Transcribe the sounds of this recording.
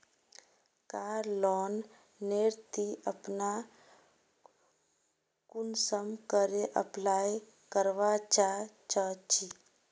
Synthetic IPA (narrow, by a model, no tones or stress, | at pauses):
kaːɾlɔnː | eɾt̪iəpna | kunsəmkəɾeʔə̰plaj | kəɾʋat͡ʃat͡ʃət͡ʃi